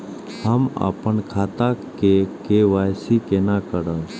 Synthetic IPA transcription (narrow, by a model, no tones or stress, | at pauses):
həma̰pəɳkʰaːt̪akekeʋaːjsikenakəɽə